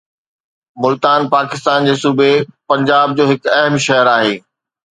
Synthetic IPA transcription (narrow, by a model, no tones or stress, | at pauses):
mʊlt̪aːnpaːkɪst̪aːnd͡ʑeːsuːbepɐ̃ɲd͡ʑaːb̚d͡ʑoːɦɪkɐɦmʃɐɦəɾaːɦeː